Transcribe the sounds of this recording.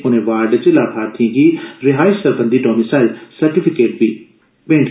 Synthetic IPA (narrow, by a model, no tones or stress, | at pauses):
ʊnẽʋaːɾɖt͡ɕelaːbʱaːt̪ʰĩɡiɾɪɦaːɪʃsɐɾbə̃nd̪iʈɔːmisaːɪlsɐɾʈifɪkeːʈ̚biː | bẽːɳʈ